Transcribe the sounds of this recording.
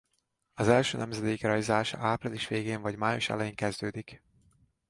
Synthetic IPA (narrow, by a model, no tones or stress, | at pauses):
ɒzɛlʃøːnɛmzɛd̪eːkrɒjzaːʃɒ̰aːpriliʃʋeːɡeːɱvɒɟmaːjoʃɛ̰lɛjiːŋkɛzd̪øːd̪ik